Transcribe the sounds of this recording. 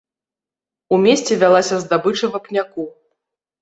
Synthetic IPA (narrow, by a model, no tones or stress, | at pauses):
umʲesʲt͡sʲɛvʲalˠasʲɐzd̪abɨt͡ʂɐvɐpnʲaku